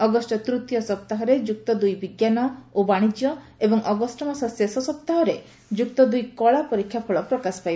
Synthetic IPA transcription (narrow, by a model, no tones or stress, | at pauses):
ɔɡɔsʈɔt̪ɾut̪jɔsɔpt̪aɦɔɾed͡ʒuk̚t̪ɔd̪ujbiɡjanɔobaɽ̃id͡ʒjɔ | ebɔŋʔɔɡɔsʈɔmasɔsesɔsɔpt̪aɦɔɾe | d͡ʒukt̪ɔd̪ujkɔɭapɔɾikʰːjapʰɔɭɔpɾɔkasɔ̥pajb